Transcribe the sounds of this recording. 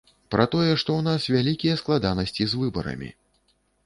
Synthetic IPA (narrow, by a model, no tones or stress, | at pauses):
pɾɐt̪ɔjɛʂt̪ɔwn̪asvʲalʲikʲijɐsklˠad̪anɐsʲt͡sʲizvɨbɐ̰ɾɐ̰mʲḭ